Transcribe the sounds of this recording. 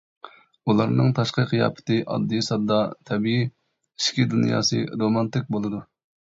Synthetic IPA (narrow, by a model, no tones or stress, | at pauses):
ulˠɑɾnɨŋt̪ʰɑʃqəqʰijɑ̰ːpɪ̥t̪ɨʔɑ̰d̪ːɨjsɑd̪ːɑt̪ʰɛbii | iʃkʲid̪unjɑ̰ːsɨ̰ɾomɑnt̪ɪk̚ʲbolˠɨd̪u